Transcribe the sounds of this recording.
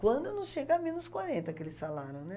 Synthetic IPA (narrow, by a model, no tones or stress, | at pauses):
kwɐ̃nd̪ʊnɐ̃w̃ʃeɡɐamẽnʊskwaɾẽnt̪ɐkelɪsalaɾʊ̃w̃nɛ